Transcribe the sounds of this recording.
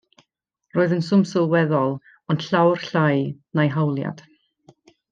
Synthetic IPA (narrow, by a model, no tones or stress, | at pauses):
roːɨðənsʊmsɪlˠwɛðɔlˠ | ɔnɬawrɬajnajɦawlˠja̰d̥